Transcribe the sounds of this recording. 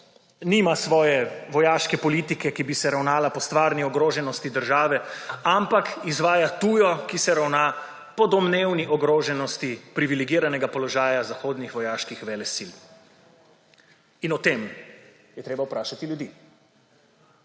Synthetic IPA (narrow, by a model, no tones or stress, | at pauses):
niːmasʋɔːjɛʋɔjaːʃkɛpɔliːt̪ikɛkibisɛɾawnaːlapɔst̪ʋaːɾniɔɡɾoːʒɛnɔst̪id̪əɾʒaːʋɛampakizʋaːjat̪uːjɔkisɛɾawna | pɔd̪ɔmnewniʔɔɡɾoːʒɛnɔst̪ipɾiʋilɛɡiːɾanɛɡapɔlɔʒaːjazaxoːd̪nixʋɔjaːʃkixʋɛlɛsil | inɔt̪em | jɛt̪ɾeːbawpɾaːʃat̪iljud̪i